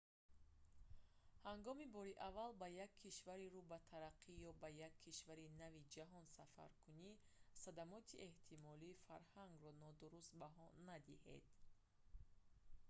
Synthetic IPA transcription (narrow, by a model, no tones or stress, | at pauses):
haŋɡɔmibɔɾiʔavalbajakʰːiʃvaɾiɾubat̪ʰaɾaqʰːijɔbajakʰːiʃvaɾinavid͡ʒaɦɔnsafa̰ɾkʰunisad̪amɔt̪ʰiʔe̞ht̪ʰimɔliːfaɾhaŋɡrɔnɔd̪uɾust̪baɦɔnad̪ihḛd̪̥